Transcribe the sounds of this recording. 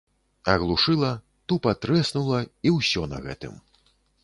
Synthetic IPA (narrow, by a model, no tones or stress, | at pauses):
ɐɣlˠuʂɨlˠɐ | t̪upat̪ɾɛsnulˠɐiwsʲɔnɐ̰ɣɛ̰t̪ɨ̰m